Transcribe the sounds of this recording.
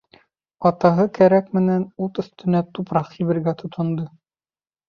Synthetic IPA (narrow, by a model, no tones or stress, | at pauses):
ɒt̪ɑɦɤkæɾækmɘ̆nænut̪ɵ̆θt̪ɘ̆næt̪upɾɑqːiβɘ̆ɾɡæt̪ʰŏt̪ʰŏnd̪ɤ